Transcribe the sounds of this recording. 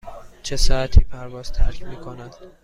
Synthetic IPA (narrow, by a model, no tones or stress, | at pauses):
t͡ʃʰesɒæt̪ʰiːpʰæɾvɒːz̥t̪ʰæɾkʰʲmiːkʰonæd̪̥